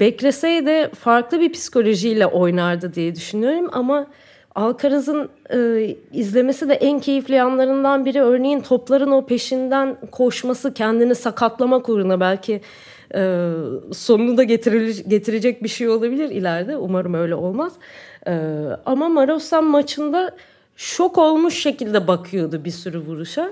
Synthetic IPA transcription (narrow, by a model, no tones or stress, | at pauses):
b̥ɛcɾe̞sɛjd̪ɛfaɾklˠɯbipʰi̥si̥kʰo̞lʲo̞ʒijlʲɛʔo̞jnaɾd̪ɯd̪ijɛd̪yʃynyjo̞ɾuma̰ma | alˠkʰaɾazɯnɯːizlʲe̞me̞sid̪ɛʔæncʰe̞jiflʲijanlˠaɾɯnd̪anbiɾiø̞ɾnejint̪ʰo̞plˠaɾɯno̞pʰe̞ʃind̪ænkʰo̞ʃmasɯcʰɛnd̪inisakʰat̪lˠamakoɾunabælʲcʰɪ | ɛːso̞nunud̪aɟt̪ʰɾiɟe̞t̪ʰiɾe̞d͡ʒɛc̚biʃejo̞lˠabilʲiɾḭlʲæɾd̪ɛumaɾɯmø̞jlʲɛo̞lˠmaz̥ɯːamamaɾosanmat͡ʃʰɯnd̪a | t͡ʃʰo̞ko̞lˠmuʃːe̞cilʲd̪ɛbakʰɯjo̞d̪ubisyɾyvuɾuʃa